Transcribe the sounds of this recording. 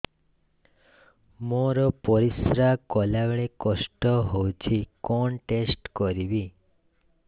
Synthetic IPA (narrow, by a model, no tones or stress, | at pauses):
moɾɔpɔɾisɾakɔlaweɭekɔsʈɔɦowt͡ʃʰikɔnʈesʈkɔɾibi